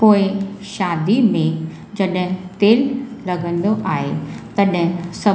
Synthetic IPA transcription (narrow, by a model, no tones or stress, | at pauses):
poːɪʃaːd̪imẽ | d͡ʑɐɗt̪eːlːɐɡə̃nd̪oʔaːɦḛt̪ɐɗsɐ